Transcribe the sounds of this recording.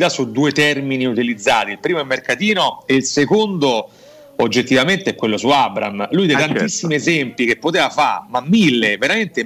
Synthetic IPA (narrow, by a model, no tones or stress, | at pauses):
t̪asud̪uːet̪ɛrminiut̪ilid̪zːaːt̪ilpɾiːmoɛmːerkat̪iːnoeilsekond̪o | od͡ʒːet̪ːivament̪eɛkːwelːosuabɾa̰mlujd̪ejt̪ant̪isːimiezɛmpik̟epːot̪eːvafaɾmamːilːeveɾament̪e